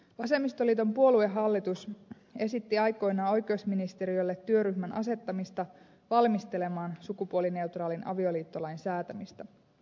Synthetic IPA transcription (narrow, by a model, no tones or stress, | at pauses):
ʋɑse̞mːist̪o̞liːt̪o̞mpuo̞lue̞ɦɑlːit̪us | e̞sit̪ːiɑjko̞jnɑːo̞jkeosminist̪eɾiolːet̪ːyø̞ɾyçmænʔɑ̰se̞t̪ːɑmist̪ɑ | ʋɑlmist̪e̞le̞mɑːnsukupuoline̞ut̪rɑːlinɑ̰ʋio̞liːt̪ːo̞lɑjnsæːt̪æmist̪ɑ